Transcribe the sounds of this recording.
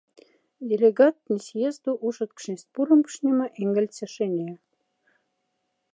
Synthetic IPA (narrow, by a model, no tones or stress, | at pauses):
d̪ʲelʲeɡɑt̪̚nʲisjezd̪uʔuʃə̆t̪kʃnʲesʲt̪̚puɾə̆mpʃnʲemə̆ʔeŋɡə̆lʲt͡sĕʃenʲe